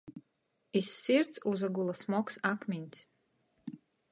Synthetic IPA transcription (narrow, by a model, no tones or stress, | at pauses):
isːiɾt̪suzaɡulˠasmɔksakmʲinʲt̪sʲ